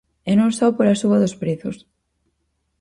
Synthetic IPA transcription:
ɛnõŋsɔwpoɾasuβɐðospɾeθʊs

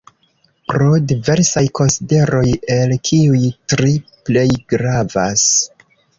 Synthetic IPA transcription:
pɾo̞dive̞ɾsajkʰo̞nside̞ɾo̞je̞lkʰiujtɾiple̞jɡɾava̰s

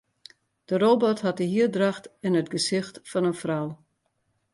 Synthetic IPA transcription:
d̥əroːbɔthɑt̚əɦiədraxtɛnətɡəsɪxtfɔnənfraw

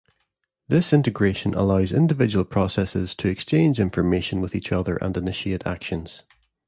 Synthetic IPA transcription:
ðɪsɪ̃ntɪɡɹeʃə̃nʔə̰lˠaʊzɪ̰̃ndɪvɪd͡ʒəwəlˠpʰɹ̥ɔsɛsɪz̥tʰəɛkst͡ʃẽnd͡ʒɪ̃ɱfə˞meʃə̃nwɪðit͡ʃʌðə̰˞ʔə̰̃nɪnɪʃieʔa̰kʃə̃nz̥

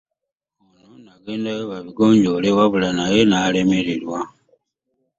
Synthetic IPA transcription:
ononaɡe̞ːndajoβaβiɡo̞ːɲɟo̞leβaβulanaje̞nale̞meɾilwa

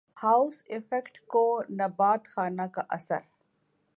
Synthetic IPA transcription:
haʊsɪfekʈkonɐbaːt̪xaːnakaʔɐsə̰ɾ

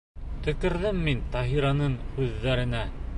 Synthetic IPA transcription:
t̪ɵ̆kɘ̆ɾðɘmːint̪ɑɦiɾɑnɤɴhʉðːæɾɘ̆næ

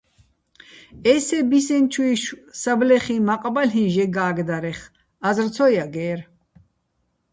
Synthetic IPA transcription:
ɛsɛbisɛnt͡ʃʰuiʃwsablɛχimaqʼbalɦinʒɛɡaːɡd̪aɾɛχ | azrt̪t͡sʰɔjaɡɛːɾ

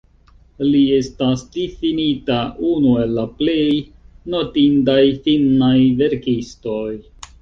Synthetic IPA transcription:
lie̞stasdifinitaʔunue̞lːaple̞jno̞tindajfinːajve̞ɾkisto̞j

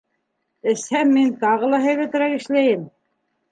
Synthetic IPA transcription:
ɘ̆shæmːint̪ɑʁɤ̆lˠɑɦæ̆jðæt̪ɘ̆ɾækɘ̆ʃlæjɘm

